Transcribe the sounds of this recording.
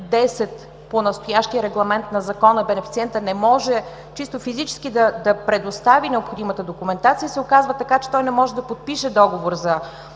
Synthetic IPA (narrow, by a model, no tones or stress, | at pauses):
d̪ɛsɛt̪ | ponɐst̪ojaʃt̪iəɾɛɡlˠɐmɛnt̪nɐzɐkɔnəbɛnɛfit̪siɛnt̪ənɛmɔʒɛ | t͡ʃist̪ofizit͡ʃɛ̥sk̟id̪ɐd̪ɐpɾɛd̪ost̪avinɛopxod̪imət̪əd̪okʊmɛnt̪at̪siəsɛokazvət̪ɐkat͡ʃɛ̥t̪ɔjnɛmɔʒɛd̪ɐpot̪̚piʃɛd̪ɔɡovoɾzɐ